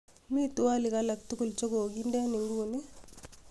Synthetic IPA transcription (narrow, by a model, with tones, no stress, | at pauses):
mi˦tu˦wa˦li˨kala˨k̚t̪u˦ku˦˨lt͡ʃo˦ɡoː˨ɡi˦nde˦ni˨ŋɡu˦ni˦